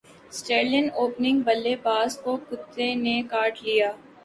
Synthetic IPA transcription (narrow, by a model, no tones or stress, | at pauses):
sʈeːlənoːpnɪ̃ŋɡbɐlːebaːzkokʊt̪ːenekaːɾʈlijaː